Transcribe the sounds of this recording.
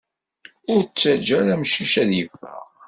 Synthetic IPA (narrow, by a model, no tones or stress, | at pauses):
ʊɾt͡sːæd͡ʒæɾæmʃiʃæðjəfːə̰ʁ